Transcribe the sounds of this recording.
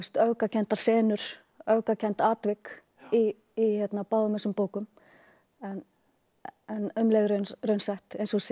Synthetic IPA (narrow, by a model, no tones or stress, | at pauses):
st̪œɥkacʰɛn̥t̪aɾ̥sɛːnʏɾ̥ | œɥkacʰɛnt̪aːt̪vɪk | iː | çɛt̪napaːwðʏmɛsʏmpoːwkʏm | ɛn | ɛnʏmlɛɣɾœnrœɥnsɛht̪ejnsɔs